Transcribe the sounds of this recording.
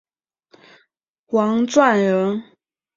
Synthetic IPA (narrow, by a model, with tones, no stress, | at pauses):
wɑ˧˥ŋt͡swa˥˩nɻə˧˥n